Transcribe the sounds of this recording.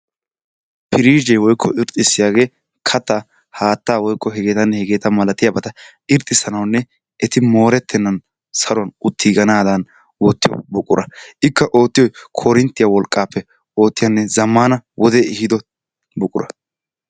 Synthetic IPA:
pʰɪɾiːd͡ʒɛjwɔjkʰːɔɪɾt̪ʼːɪsːɪjaːɡe̞ː | kʰɐt̪ːa | haːt̪ːaːwɔjkːɔɦɛɡe̞ːt̪ɐnːhɛɡe̞ːt̪ɐmɐlɐt̪ːɪjabɐt̪ɐ | ɪɾt̪ʼːɪsɐnɐwnːɛ | ʔɛt̪ɪmo̞ːɾɛt̪ʰːɛnːɐn | sɐɾʊɐnʊt̪ʰːɪːɡɐnaːd̪ɐn | wɔt̪ːɪjɔ̰bʊkʼːʊ̰ɾʔɐʔɪkːɐʔo̞ːt̪ːɪjɔjkʰɔɾɪnt̪ːɪjawɔlkʼːaːpːɛ | o̞ːt̪ːɪjɐnːɛzɐmːaːnɐwʔɔd̪ɛɪhɪd̪ɔ | bʊkʼʊɾɐ̰

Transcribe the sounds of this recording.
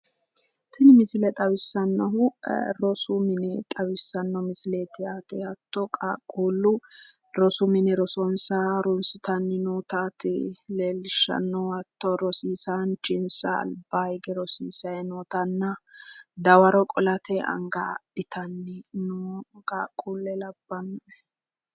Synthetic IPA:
t̪ɪnɪmɪsɪlɛt̪ʼɐwɪsːɐnːɔɦʊɾɔsʊmɪnɛt̪ʼɐwɪsɐnːɔmɪsɪleːt̪ɪat̪ɛhɐt̪ːɔkʼakʼːuːlːʊ | ɾɔsʊmɪnɛɾɔsɔnsaɾʊnsɪt̪ɐnːɪnoːt̪aːt̪ɪleːlɪʃɐ̰nːɔwɐt̪ːɔɾɔsiːsant͡ʃɪnsɐ̰ːlbaɪɡɛɾɔsiːsɐjɛnɔːt̪ɐnːɐd̪ɐwɐɾɔkʼɔlɐt̪ʰɛɐ̰ŋɡadɪt̪ʰɐnːɪnʊkʼaːkʼːuːlːɛlɐbːɐnːɔɛ

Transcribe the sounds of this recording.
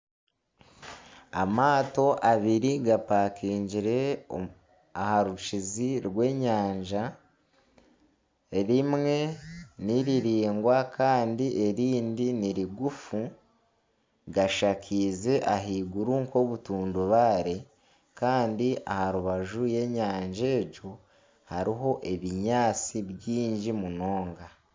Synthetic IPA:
amaːto̞ʔaβiɾiɡapaːkʰiːɲɟiɾe̞ | ahaɾut͡ʃiziɾɡwe̞ːɲaːɲd͡ʒa | eɾimŋe̞niɾiɾiːŋɡwakʰaːndiʔe̞ɾiːndiniɾiɡufu | ɡaʃakʰiːze̞ʔaɦiːɡuɾuŋko̞βutuːnduβaːɾe̞ | kaːndia̰haɾuβaʒuje̞ɲaːɲʒe̞ːɟo̞ | haɾiɦo̞ʔe̞βiɲaːt͡siβjiːɲɟimuno̞ːŋɡa

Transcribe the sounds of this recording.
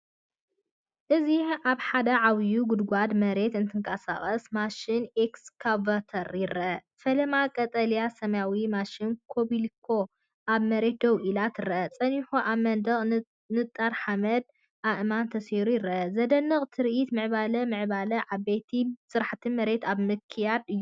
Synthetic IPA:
ʔɨziʕaβħad̪ɐʕaβjuɡʊd̪ɡʷad̪mɐɾe̞t̪ɨnt̪ʰɨŋkʰʼɐsa̰χʼɐsmaʃɪnekskʰavat̪ʰɐɾjɪɾʔɐ | fɐlɐmakʼɐt̪ʼɐlijasɐmjawimaʃɪnkʰobilkʰo̞ | ʔaβmɐɾe̞t̪̚d̪ɐwʔilat̪ɨɾʔɐt͡sʼɐniħuʔaβmɐnd̪ɐχʼ | nɨt̪ʼːaɾħamɐd̪̚ | ʔaʔɨmant̪ʰɐshiɾujɪɾʔɐzɐd̪ɐnːɨχʼt̪ʰɨɾʔit̪mɨʕβalɐmɨʕβalɐʕaβbet̪ʰisɨɾħt̪ʰɨnmɐɾe̞t̪aβmɨkʰːijad̪ɨjːu

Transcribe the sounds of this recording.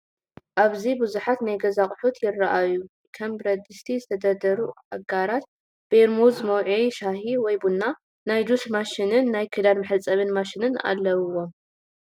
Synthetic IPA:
ʔaβzibuzuħat̪najɡɐzaχʼħut̪ʰjɪrɐʔaju | kʰɐmbɾɐd̪ɨst̪ʰizɨt̪ʰɐd̪ɐd̪ɐɾuʔaɡaɾat̪ | b̥eɾmuzmɐwʕejʃahiwɔjbunːa | najd̪usmaʃinɨnːajkʰɨd̪almɨħɨt͡sʼɐβɨnmaʃinɨna̰lːɐwɨwo̞m

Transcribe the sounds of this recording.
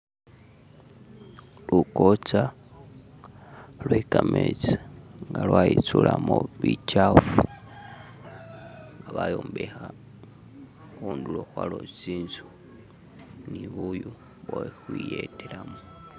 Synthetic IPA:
lʔukot͡sa | lwekamet͡sḁŋɡalwait͡sulamoβit͡ʃafu | ŋɡaβajoːmbexa | xunduloxwalot͡siːnzu | niβuju | βoxwijetelamo

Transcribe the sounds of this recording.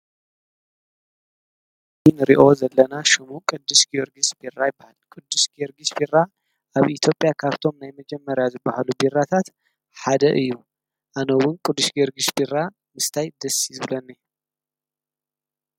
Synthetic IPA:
inɨɾiʔo̞zɐlːɐnaʃɨmukʼɨd̪ːɨʃɡioɾɡisbirːajɪbːahalkʼɨd̪ːuʃɡioɾɡisbirːa | ʔaβʔit̪ʰjo̞pʼjakʰaβt̪ʰo̞mnajmɐd͡ʒɛmːɐɾjazɨbːahalubirːat̪ʰat̪ | ħad̪ɐʔɨjːu | ʔanɐwʊnkʼɨd̪ːuʃɡeɾɡiʃbirːa | mɨst̪ʰajd̪ɐsːizɨβlɐnːe

